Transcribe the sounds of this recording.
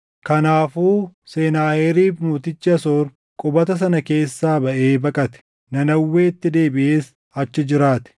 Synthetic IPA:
kɐnaːfuːseːnaːheɾiːfmuːt̪ɪt͡ʃːɪɐsoːɾ | kʼʊbɐt̪ɐs̬ɐnɐke̞ːsːaːbɐʔe̞ːbɐkʼɐt̪ɛ̥ | nɐnɐwːeːt̪ːɪd̪e̞ːbɪʔeːs | ɐt͡ʃːɪd͡ʒɪɾaːt̪ɛ̥

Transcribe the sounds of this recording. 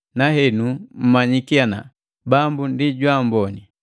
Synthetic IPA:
naɦɛnum̩maɲikiana̰ | bambundiɟwambɔni

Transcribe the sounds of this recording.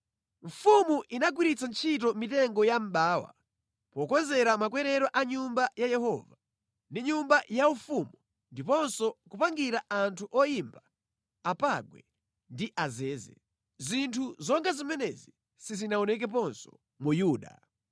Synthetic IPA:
ɱ̩fumuʔinaɡwiɾit͡sant͡ʃʰitɔmitɛŋɡɔjam̩ɓaːwa̰ | pɔkɔnzɛɾamakwɛɾɛɾɔʔaɲumbajajɛhɔ̰ːva | ndiɲumbajaufumu | ndipɔnsɔkupaŋɡiɾaʔantʰuʔɔjimba | apaɡwɛ̰ | ndiʔazɛːzɛ̰ | zintʰuzɔŋɡazimɛnɛzi | sizinaɔnɛk̬ɛp̬ɔnsɔ̥ | mujuːɗa̰

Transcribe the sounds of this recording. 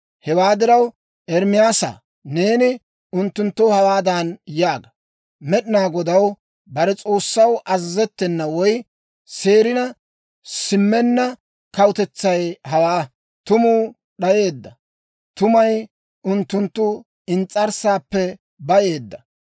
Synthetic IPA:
hɛwaːd̪ɪɾɐw | ʔɛɾmɪjaːsa̰ː | ne̞ːnɪ | ʊnt̪ːʊnt̪ːɔhɐwaːd̪anjaːɡɐ | mɛɗɪnaːɡɔd̪ɐw | bɐɾɛt͡sʼo̞ːsːɐwʔɐzɐzɛt̪ːɛnːɐwɔj | se̞ːɾɪnɐ | sɪmːɛnːɐ | kɐwt̪ɛt͡sːɐjhɐwaː | t̪ʊmuː | ɗɐje̞ːd̪ːɐ | t̪ʊmɐj | ʊnt̪ːʊnt̪ːʊ | ɪnt͡sʼːɐɾsaːpːɛ | bɐje̞ːd̪ːɐ

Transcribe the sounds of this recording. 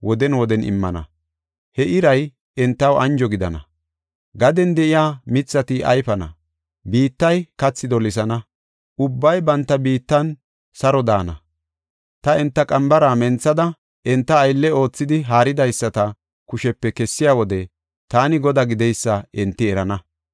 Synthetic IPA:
wɔd̪ɛnwɔd̪ɛnɪ̰mːɐ̰nɐ̰ | hɛʔɪɾɐj | ɛnt̪ːɐwɐnd͡ʒɔɡɪd̪ɐnɐ̰ | ɡɐd̪ɛnd̪ɛʔɪjaːmɪt͡sːɐt̪ɪʔɐ̰jfɐnɐ̰ | biːt̪ːɐjkɐt͡sːɪd̪ɔlɪs̬ɐnɐ | ʊbːɐjbɐnt̪ːɐbiːt̪ːɐn | sɐɾɔd̪aːnɐ | t̪ɐɛnt̪ːɐkʼɐmbɐɾaːmɛnt͡sːɐd̪ɐ | ʔɛnt̪ːɐːjlːɛo̞ːt͡sːɪd̪ɪɦaːɾɪd̪ɐjsːɐt̪ɐ | kʊʃɛpːɛkɛsːɪjaːwɔd̪ɛ | t̪aːnɪɡɔd̪aɡɪd̪ɛjsːɐɛnt̪ːɪɛɾɐnɐ

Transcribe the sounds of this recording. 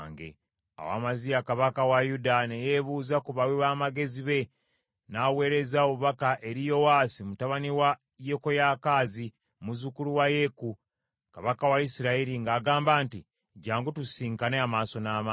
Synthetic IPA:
ŋɡḛ | a̰wa̰ːmazijakaβakawajudane̞jeβuːzakuβawiβaːmaɡe̞ziβe̞ | nawe̞ːɾe̞zaoβakaʔe̞ɾijo̞waːsimutaβaniwa | jekojaːkaːzi | muzukuluwaje̞ku | kaβakawaisiɾaiɾiŋɡaːɡaːmbaːnti | ɟaːŋɡutusiːŋkaneamaːso̞nama

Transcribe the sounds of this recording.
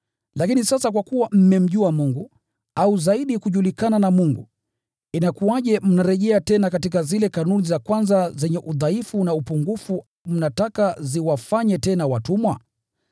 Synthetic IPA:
lakinisasak̬wakuwam̩mɛm̩ʄuamuŋɡu | auzaiɗikuʄulikananamuŋɡṵ | inakuaʄɛm̩naɾɛʄɛatɛnakatikazilɛkanunizakwanzazɛɲɛʔuðaifunaupuŋɡufu | m̩natakaziwafaɲɛtɛnawatumwa

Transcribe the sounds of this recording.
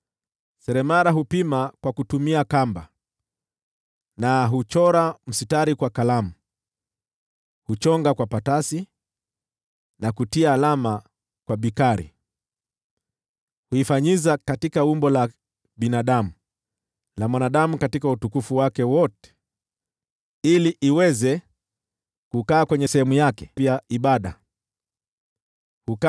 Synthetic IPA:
sɛɾɛmaɾaɦupimakwakutumiakamba̰ | naɦut͡ʃɔɾam̩sitaɾikwakalamu | hut͡ʃɔŋɡakwapatasi | nakutiaːlama | kwaɓikaɾḭ | huifaɲizakatikaumbɔla | ɓinaɗamu | lamwanaɗamukatikautukufuwakɛwɔtɛ̥ | iliʔiwɛzɛ | kukaːkwɛɲɛsɛhɛmujakɛ̥vjaiɓaɗa | huka

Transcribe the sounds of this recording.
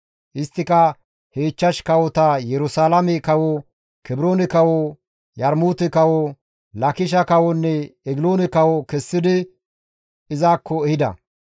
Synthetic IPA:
ʔɪst̪ːɪkɐ | heːt͡ʃːɐʃkɐwɔt̪ɐjɛɾʊsaːlɐmɛkɐwɔ | kɛbɾoːnɛkɐwɔ | jɐɾmuːt̪ɛkɐwɔ | lɐkɪʃ̬ɐkɐwɔnːɛɛɡɪloːnɛkɐwɔkɛsːɪd̪ɪ | ɪzaːkʰːɔɛhɪd̪ɐ̰

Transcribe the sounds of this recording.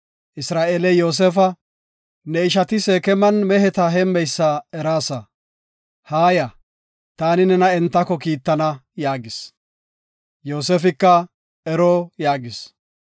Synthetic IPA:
ʔɪsɾaːʔeːlɛjo̞ːs̬eːfɐ | nɛɪʃ̬ɐt̪ɪseːkɛmɐnmɛhɛt̪ɐɦɛmːɛjsːɐɛɾaːsɐ | haːjɐ | t̪aːnɪnɛnɐɛnt̪ːɐkːɔkiːt̪ːɐnɐjaːɡɪs | jo̞ːseːfɪkːɐ | ɛɾoːjaːɡɪs

